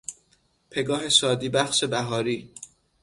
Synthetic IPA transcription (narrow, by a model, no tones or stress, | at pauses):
pʰe̞ɡɒːɦe̞sɒːd̪iːbæxʃe̞bæɦɒːɾiː